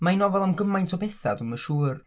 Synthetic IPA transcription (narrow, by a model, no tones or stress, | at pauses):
majnɔvɛlˠamɡəmajntʰɔbeθa̰duməʃuːr